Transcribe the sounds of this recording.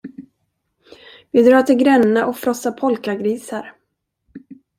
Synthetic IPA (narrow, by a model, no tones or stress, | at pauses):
vɪd̪ɾɑːt̪ʰɪɡɾɛnːaʔɔfɾɔsapʰɔlkaɡɾiːsaɾ